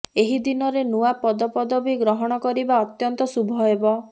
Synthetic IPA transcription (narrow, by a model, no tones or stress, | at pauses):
eɦid̪inɔɾenuwapɔd̪ɔpɔd̪ɔbiɡɾɔɦɔɽ̃ɔkɔɾibaɔt̪jɔnt̪ɔsubʱɔebɔ